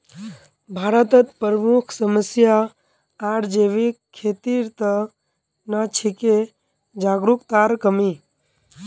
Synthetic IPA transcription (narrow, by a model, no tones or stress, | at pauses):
bʱaːɾət̪ət̪pəɾəmukʰsəməsja | aɽd͡ʒeːʋikʰːet̪iɾt̪ə | nat͡ʃʰike | d͡ʒaːɡɾukt̪aːɾkəmi